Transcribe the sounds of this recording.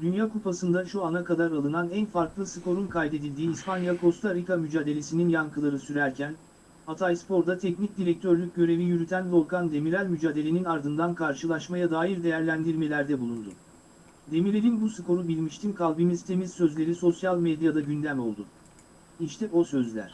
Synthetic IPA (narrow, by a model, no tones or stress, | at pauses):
d̪ynjaːkʰupʰasɯnd̪aʃuanakad̪aɾalˠɯnanænfaɾklˠɯsɯkʰo̞ɾunkʰajd̪e̞d̪ilʲd̪iːspanjakʰo̞st̪ʰaɾikamyd͡ʒaːd̪e̞lʲe̞sininjankʰɯlˠaɾɯsyɾæɾcʰæn | at̪ʰajspo̞ɾd̪at̪ʰɛcnic̚d̪iɾɛc̚t̪ʰøɾlʲyc̚ɟø̞ɾe̞vijyɾyt̪ʰænbo̞ɾkand̪e̞miɾælʲmyd͡ʒaːd̪e̞lʲe̞ninaɾd̪ɯnd̪ankʰaɾʃɯlˠaʃmajad̪aːjiɾd̪e̞jæɾlʲænd̪iɾme̞lʲæɾd̪ɛbulˠund̪ʊ̰ | d̪e̞miɾʲeɾinbusɯkʰo̞ɾubilʲmiʃt̪ʰimkʰalˠbimizt̪ʰe̞mizsø̞zlʲe̞ɾisosjalʲˠmed̪jad̪aɟynd̪æmo̞lˠd̪ʊ | iʃt̪ʰɛʔo̞sø̞zlʲæ̰ɾ̝̥